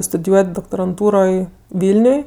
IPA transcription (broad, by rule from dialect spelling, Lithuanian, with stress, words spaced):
stʊdʲɪˈjuɔtʲ doːktoːrɐnˈtuːroːj ˈʋʲɪlʲnʲʊj